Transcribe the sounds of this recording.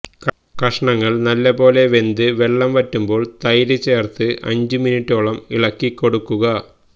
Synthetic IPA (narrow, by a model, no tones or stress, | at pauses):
k | kɐʂɐɳɐŋːɐɭnɐlːɐbo̞ːle̞ʋe̞nd̪ɨʋe̞ɭːɐmʋɐtːumbo̞ːɭt̪ɐjɾit͡ɕːeːrt̪ɨʔɐ̰ɲd͡ʑɨminiʈːoːɭɐmiɭɐkːikːo̞ɽukːuɣɐ